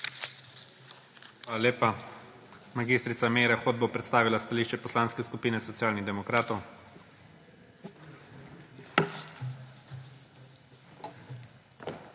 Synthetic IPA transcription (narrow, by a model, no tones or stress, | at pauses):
xʋalaleːpa | maɡiːst̪ɾit̪sameːɾaxod̪̚bopɾɛt̪st̪aːʋilast̪aliːʃt͡ʃɛpɔslaːnskɛskupiːnɛsɔt̪sjaːlniɣd̪ɛmɔkɾaːt̪ɔw